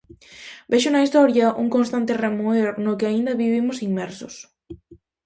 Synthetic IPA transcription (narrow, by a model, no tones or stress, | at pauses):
beʃʊnɐist̪ɔɾjɐʔuŋkõnst̪ant̪ɪremeɾnʊkɪaind̪ɐβiβimʊsiŋmɛɾsʊs